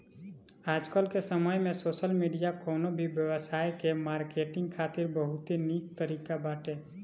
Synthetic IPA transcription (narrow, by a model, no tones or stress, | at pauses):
aːd͡ʒkəlkesəməjmẽsoːsəlmiɖijakɔːnobʱibjəwəsaːjkemaɾkeʈɪ̃ŋɡ̚kʰaːt̪ɪɾbəɦut̪eniːkt̪əɾiːkabaːʈe